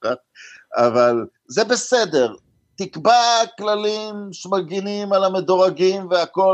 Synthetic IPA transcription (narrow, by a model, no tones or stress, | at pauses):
ataval | zebesed̪e̞ʁ | t̪ikbaklalimʃemaɡinimalamed̪oʁaɡimveako̞